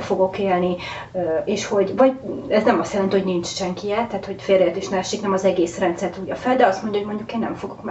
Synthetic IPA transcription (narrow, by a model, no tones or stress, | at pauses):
fo̞ɡo̞keːlni | eːʃho̞ɟvɒɟɛznɛmɒst̪jɛlɛnt̪ihonint͡ʃʃɛŋkijɛt̪ːaːt̪ho̞ɟfeːrɛjɛt̪eʃmaːʃiknɛmɒzɛɡeːsrɛnt̪sɛrt̪uːjɒfɛld̪ɛɒst̪mo̞ɲɟɒɦoɟmo̞ɲɟukeːnːɛ̰mfo̞ɡo̞km